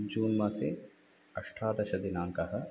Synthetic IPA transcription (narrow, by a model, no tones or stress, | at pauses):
d͡ʒuːnmɐsḛ | ɐʂʈʰaːd̪ɐʃɐd̪inaːŋkɐɦɐ̆